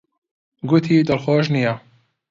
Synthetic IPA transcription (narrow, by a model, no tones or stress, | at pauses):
ɡʊt̪ʰiːd̪ɐlxoːʃnija